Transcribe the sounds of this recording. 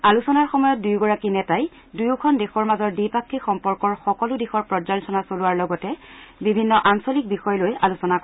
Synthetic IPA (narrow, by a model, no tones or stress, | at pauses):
alusɔnaɹxɔmɔjɔt̚dujɡɔɹakinɛtaj | dujʊkʰɔndexɔɹmazɔɹdipakʰːixɔmpɔɹkɔɹxɔkɔlʊdixɔɹpɹɔd͡ʒaltʰɔnasolʊwaɹlɔɡɔtɛbibʱinːɔʔansolik̚bixɔjɔlojalusɔnak